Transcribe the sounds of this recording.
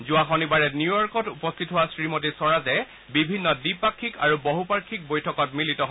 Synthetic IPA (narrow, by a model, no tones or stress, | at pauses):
zʊaxɔnibaɹɛnjujɔɹkɔtupɔstʰitɦowasɹimot̬isɔɹazɛ | bibʱinːɔdipakʰːika̰ɹuboɦupaɹkʰːik̚bojtʰɔkɔtmilitɔɦ